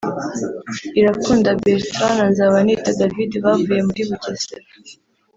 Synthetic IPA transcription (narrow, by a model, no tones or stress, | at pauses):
iɾakuːndabeɾtɾananzaβanitadavideβavuje̞muɾiβuɟeze